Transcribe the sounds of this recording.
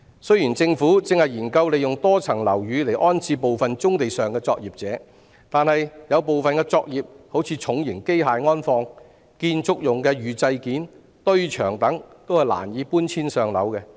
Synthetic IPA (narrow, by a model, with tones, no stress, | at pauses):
sɵ˥ɥjiː˨˩nt͡sɪ˧ŋfuː˨˥t͡sɪ˨˧ŋhɐ˨jiː˨˩nkɐ˧wle˨jʊ˨ŋt̪ɔː˥t͡sʰɐ˨˩ŋlɐ̰˨˩wjyː˨˧le˨˩jʔɔː˥nt͡sʰiː˧po˨wfɐ˨nt͡sʊ˥ŋt̪e˨jsœː˨ŋkɛː˧t͡sɔː˧k̚jiː˨p̚t͡sɛː˨˥ | t̪aː˨nhɐ˨jjɐ˨˧wpo˨wfɐ˨nkɛ˧t͡sɔː˧k̚jiː˨p̚ho˨˥wt͡sʰiː˨˧t͡ʃʰʊ˨˥ŋjɪ˨˩ŋke˥jɦaː˨jŋɔː˥nfɔː˧ŋ | kiː˧nt͡sʊ˨˥k̚jʊ˨ŋkɛ˧ɥyː˨˩t͡sɐ˧jkiː˨˥n | t̪ɵ˥ɥt͡ʃʰœ̰ː˨˩ŋt̪ɐ˨˥ŋt̪o˥whɐ˨˩jla̰ː˨˩njiː˨˧puː˥nt͡sʰiː˥nsœː˨ŋlɐ̰˨˥wkɛ˧